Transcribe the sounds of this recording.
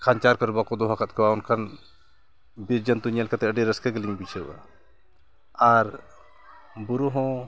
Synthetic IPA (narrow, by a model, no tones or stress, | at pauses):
kʰant͡ʃaɾkɔɾbakɔd̪ɔɦakʰat̪̚kɔwaunkʰan | biɾd͡ʒənt̪uɲalkat̪ɛəɖɛɾəskɛɡəliŋbit͡ʃʰəwa̰ | aɾ | buɾuɦɔ̃